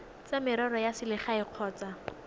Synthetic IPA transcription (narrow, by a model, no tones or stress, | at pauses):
t͡samɪɾɔɾɔjasɪlɪχaɪq͡χʰɔːt͡sa